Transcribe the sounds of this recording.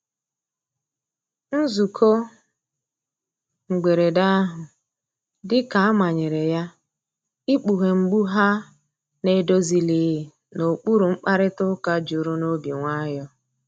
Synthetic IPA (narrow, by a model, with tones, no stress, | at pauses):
n̩˦zu˨kʰo˦ | ŋ͡m̩˨ɡ͡be˨ɾe˨da˦a˦ɦʊ˨ | dɪ˦ka˨a˦ma˨ɲɪ˨ɾe˨ja˦ | i˦k͡pu˨ɦe˨ŋ͡m̩˨ɡ͡bu˦ɦa˦ | ne˦˨do˦zi˨li˨˦˨ | no˨k͡pu˦ɾu˨ŋ͡m̩˦k͡pa˦ɾɪ˦tʊ˦ka˦d͡ʒu˨ɾu˦no˦bi˨ŋʷa˦jɔ˦